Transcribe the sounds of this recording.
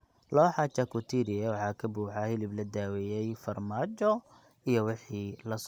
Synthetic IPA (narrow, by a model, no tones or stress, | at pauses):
lɔːħɑt͡ʃɐkʰʊt̪ʰiːɾɪɛwɑħɑːkʰɐbuːħɑhɪlɪblɐd̪aːwɛjɛjfɐrmaːt͡ʃɔ | ijɔwɪħiːlɐs